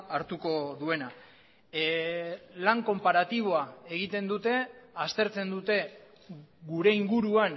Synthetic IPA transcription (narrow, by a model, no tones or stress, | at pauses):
aɾt̪uko̞ðue̞na | laŋko̞mpaɾat̪iβ̞o̞ae̞ɣ̞it̪e̞nd̪ut̪e̞ast̪e̞ɾt͡se̞nd̪ut̪e̞ | ɣuɾe̞iŋɡuɾuan